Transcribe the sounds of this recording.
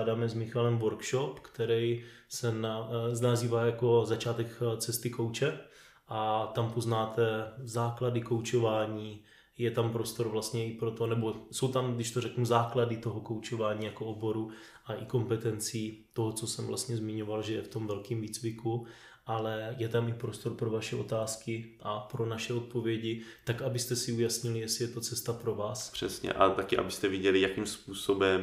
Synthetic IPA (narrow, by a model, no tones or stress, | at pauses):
daːmɛzmɪxalɛmvoɾkʃopkt̪ɛɾɛj | sɛnanaziːvaːjako̞zat͡ʃaːt̪ɛkt͡sɛst̪ɪkowt͡ʃɛ | ʔat̪ampo̞znaːt̪ɛzaːkladɪko̞wt͡ʃo̞vaːɲiː | jɛt̪ampɾo̞st̪oɾvlast̪ɲɛɪpɾot̪onɛbo̞so̞wt̪amɡdɪʃt̪orɛknuzaːkladɪt̪o̞ɦoko̞wt͡ʃo̞vaːɲiːjakoʔobo̞ɾu | ʔaʔɪko̞mpɛt̪ɛnt͡siːt̪o̞ɦot͡so̞sɛmvla̰st̪ɲɛzmɪɲo̞valʒɛjɛft̪o̞mvɛlkiːmviːt͡svɪku | ʔalɛjɛt̪amɪpɾost̪o̞ɾpɾo̞vaʃɛʔo̞t̪aːskɪʔapɾo̞naʃɛot̪̚po̞vjɛɟɪt̪akabɪst̪ɛsɪujasɲɪlɪjɛsɪjɛt̪o̞t͡sɛst̪apɾo̞vaːspr̝̥ɛsɲɛ̰ʔat̪akɪʔa̰bɪst̪ɛvjɛɟɛlɪjakimspuːsobɛm